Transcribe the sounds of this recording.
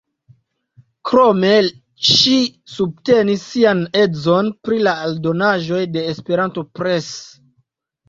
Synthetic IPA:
kɾo̞me̞ | ʃisub̚te̞nisːiane̞zo̞npɾilaːldo̞naʒo̞jde̞ːspe̞ɾanto̞pɾe̞s

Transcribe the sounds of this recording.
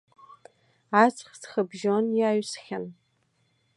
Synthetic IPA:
at͡sʷʰʼχsχəbʒonjaːɥsxʲan

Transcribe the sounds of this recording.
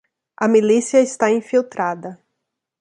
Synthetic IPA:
ɐmilisiɐɪst̪aĩfiwt̪ɾad̪ɐ

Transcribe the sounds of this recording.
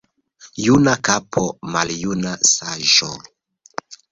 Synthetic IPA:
junakapʰomaljunasaʒo

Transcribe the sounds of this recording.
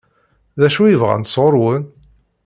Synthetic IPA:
ðæʃujəvʁa̰nsˤʁoɾˤwən

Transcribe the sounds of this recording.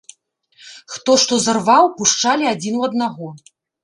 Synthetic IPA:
xt̪ɔʂt̪ɔzarvawpuʂt͡ʂalʲiad͡zʲinuɐd̪naɣɔ

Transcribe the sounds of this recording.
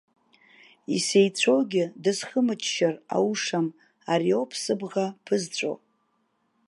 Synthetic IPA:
ise̞jt͡ɕʷʰoɡʲɪdɨzχəmɨt͡ʃʰʼʃara̰wuʂam | aɾio̞pʰsɨbʁapʰɨzt͡ɕʷʼo̰

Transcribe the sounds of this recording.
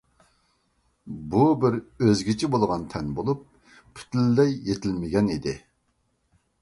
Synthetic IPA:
bubɪɾøzɡʲit͡ʃʰibolˠʁɑnt̪ʰɛnbolˠup̚ːʰ | i̥t̪ʰɪlːɛjːet̪ʰɪlmɪɡʲɛnid̪ɪ

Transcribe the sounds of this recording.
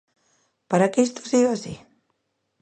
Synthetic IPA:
paɾakest̪osiɣasi

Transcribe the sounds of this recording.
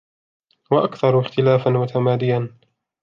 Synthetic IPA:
waʔakθɑɾˤɪxt̪ɪlaːfanmʊt̪amaːd̪ɪjan

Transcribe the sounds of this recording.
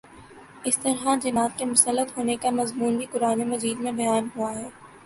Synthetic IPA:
ɪst̪ɐɾɦad͡ʒɐmaːt̪̚kemʊsəlːət̪ɦoːnekamɐzmuːnbʱikʊɾaːnemɐziːd̪mẽbɐjaːnɦuaɦɛː

